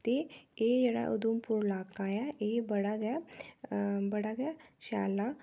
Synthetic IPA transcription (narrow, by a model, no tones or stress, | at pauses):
t̪eejɐɽa̰ʔṵd̪umpuɾlaːkajɛebɐɽaɡɛ | bɐɽaɡɛʃa̰ːla